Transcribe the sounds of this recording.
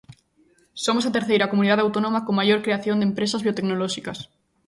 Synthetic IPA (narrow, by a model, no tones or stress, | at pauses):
somosat̪eɾθejɾakomũniðaðawt̪onomakoŋmaʝoɾkɾeaθjond̪empɾesazβiot̪eknoloʃikas